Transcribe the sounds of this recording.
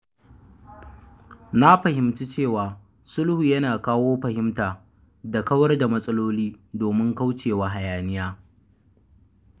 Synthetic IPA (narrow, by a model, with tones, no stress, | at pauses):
na˦ɸɐ˨hɪ˨mtu˦t͡ʃeː˦˨waː˨ | sʊ˦lhu˨jɐ˦naː˨kaː˦woː˦ɸɐ˨hɪ˦mtaː˨ | da˨kɐ˦wɐ˦rda˨mɐ˦sʼɐ˦loː˦liː˦doː˨mɪ˦ŋka˦wt͡ʃeː˨wa˦ɦa˨jaː˨nɪ˦jaː˦